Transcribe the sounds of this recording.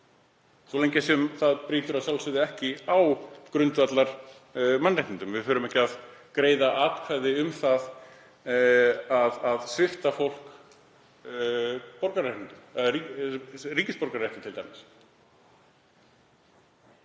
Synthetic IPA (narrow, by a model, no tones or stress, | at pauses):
sɔleɲcɪsɛmθaðpɾiːt̪ʏɾaðsjawlsʏðɪɛhcɪawkɾʏnt̪vat̪laɾ̥ | manraht̪nint̪ʏmvɪfʏːɾʏmɛhcɪaðkɾeːjðaʔaːt̪kʰvaːjðɪʏmθað | aðaðsvɪft̪afowl̥k | pɔɾkaɾajht̪nint̪ʏmi | riːcɪspɔɾkaɾrajht̪ɪt̪ʰɪlt̪ajmɪs